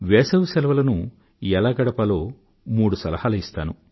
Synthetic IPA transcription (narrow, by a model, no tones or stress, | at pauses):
ʋɛːsɐʋusɛlɐʋɐlɐnu | jɛlaːɡɐɽɐpɐlo̞ː | muːɽusɐlɐhaːlɐist̪aːnu